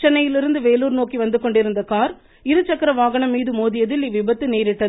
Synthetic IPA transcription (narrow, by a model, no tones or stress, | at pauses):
t͡ʃːɐnɐjɪlɪɾɯnd̪ɯʋeːluːɾnoːkiʋɐnd̪ɯkɔɳɖɪɾɯnd̪ɐkaːɾ | ɪɾɯt͡ʃːɐkːɯɾɐʋaːɣɐɳɐmːiːðɯmoːðɪjɐðɪliʋɪbɐt̪ːɯneːɾɪʈːɐ